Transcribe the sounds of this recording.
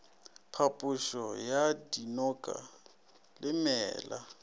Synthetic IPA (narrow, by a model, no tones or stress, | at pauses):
pʰapʼʊʃɔjadinɔkʼa̰ | lɪmɛːla